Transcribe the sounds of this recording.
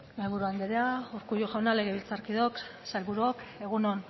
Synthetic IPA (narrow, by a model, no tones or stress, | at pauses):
melβuɾuand̪eɾeauɾkujoʝaonale̞ɣeβilt͡saɾkiðo̞ksalβuɾuoke̞ɣ̞uno̞n